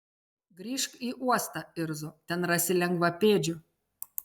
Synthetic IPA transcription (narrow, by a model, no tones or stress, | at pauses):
ɡɾʲiːʃkiːʔuɔst̪ɐɪɾzot̪ʲɛnɾɐsʲɪlʲɛŋɡʋɐpʲeːd͡ʒʲʊ